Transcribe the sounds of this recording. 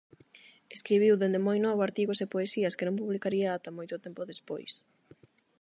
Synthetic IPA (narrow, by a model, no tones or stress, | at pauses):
eskɾiβiwðend̪emojnɔβoaɾt̪iɣosepoesiɐskenõmpuβlikaɾiaat̪ɐmojt̪ot̪ɛmpoðespo̰js